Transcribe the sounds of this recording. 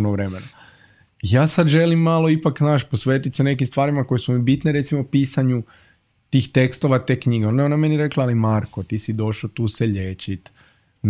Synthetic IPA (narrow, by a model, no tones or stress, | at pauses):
noʋɾemena | jaːsad̪ʒe̞limːalo̞ipaknaːʃposʋeːt̪it̪sene̞k̬imst̪ʋaːɾimako̞jesumibit̪neɾe̞t̪simopiːsaɲu | t̪iːxt̪e̞kst̪o̞ʋat̪e̞ːkɲiɡeondaoname̞niɾe̞klˠaalimaɾkot̪isid̪o̞ʃlot̪uːseʎet͡ʃit̪ | n